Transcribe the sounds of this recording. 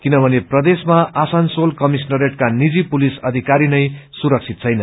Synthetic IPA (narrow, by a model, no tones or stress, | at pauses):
kinʌbʱʌneprʌd̪esmaʔasansolkʌmis̬nʌɾeʈkanid͡zipulisʌd̪ʱikaɾinʌjsuɾʌk̚t͡sʰit̪̚t͡sʰʌjnʌ